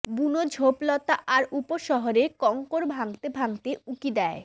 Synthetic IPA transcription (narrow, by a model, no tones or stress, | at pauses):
bunod͡ʑʱoplɔt̪aʔaɾupoʃɔɦoɾekɔŋkoɾbʱaŋt̪ebʱaŋt̪eukid̪ɛe